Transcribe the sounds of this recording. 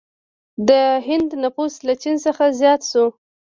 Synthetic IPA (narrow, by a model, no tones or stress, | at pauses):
d̪əɦɪnd̪napuslat͡ʃinsəxazjɑt̪ʃu